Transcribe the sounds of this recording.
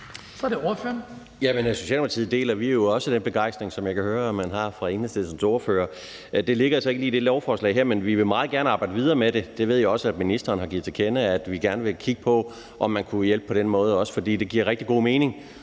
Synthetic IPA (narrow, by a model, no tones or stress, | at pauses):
sɒd̥eoɐføɐn | jæmənso̝ɕɛ̰ːlmpʰɑt͡sʰḭð̩ˠd̥e̝̰ːlɐʋiæɐjo̝ɒ̽səd̥enb̥e̝ɡ̥ɑ̈ɪ̰sd̥ʁeŋsɒ̽mjɑ̈ɪkʰæhøːɐɒmːænɦɑ̈fʁɑ̈eŋnəseð̩ˠsɒ̽msoɐføːɐ | d̥e̝le̝ɡ̥ɐælsɒe̝ɡ̥liːd̥e̝lɒʊfɒːslɛ̰ɪɦeɐ̰menʋiʋe̝mɑ̈ːð̩ˠɡæɐnəɑ̈ːb̥ɑ̈ɪdəʋið̞ˠɐːmeɾe̝d̥e̝ʋe̝ð̞̰ˠjoɒ̽səæd̥minisd̥ɐːn̩ɦɑ̈ɡḭð̩ˠt͡sʰekʰenəæd̥ʋiɡ̥æɐnəʋe̝kʰiɡ̥əpʰɒ̽ | ʔɒ̽mːænkʰujel̰b̥əpʰɒ̽ɾ̥enmɔ̽ːð̞̩ˠɒ̽sə̥fɒ̽d̥ḭːd̥e̝ɡ̥iɐ̰ʁɛɡ̥̚d̥iɡ̥o̝̰ːme̝ːne̝ŋ